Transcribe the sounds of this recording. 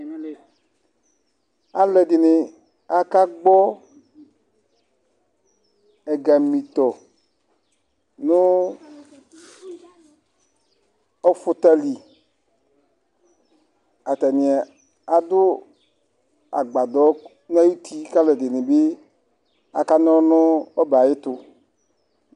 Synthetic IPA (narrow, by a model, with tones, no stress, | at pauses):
a˨lɛ˨d̪e˨nẽ˨ | a˨ka˦ɡ͡bɔ˦ | ɛ˨ɡa˨mĩ˨t̪ɔ˨ | nõ˦ | ɔ˦fo˦t̪a˦li˨ | a˨t̪a˨nĩ˨a˨ | a˨d̪ʊ˦ | a̰˨ɡ͡ba˨d̪ɔ˨˦ | n˦a˦ju˦t̪i˦ka˦lɛ˨d̪e˨nĩ˨be˦ | a˨ka˦n˦ɔ̃˦nʊ̃˦ɔ˦ba˨je˦t̪ʊ˧